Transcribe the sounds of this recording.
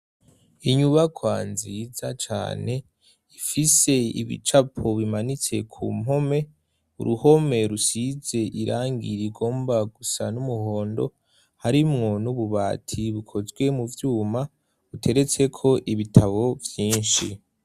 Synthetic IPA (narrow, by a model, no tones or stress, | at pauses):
iɲuβakʰwaːnzizat͡ʃa̰ːne̞ | ifise̞ḭβḭt͡ʃapʰoβimanit͡se̞kʰṵːmo̞me̞ | ṵɾuho̞me̞ɾusize̞ʔiɾʔaːŋɡiɾiɡo̞ːmbaɡusanumuɦo̞ːndo̞̰ | haɾimŋo̞nuβuβaːtʰiβukʰo̞zɡwe̞muvjuːma | utʰe̞ɾet͡se̞kʰo̞ʔiβitʰaβo̞vjiːnʃḭ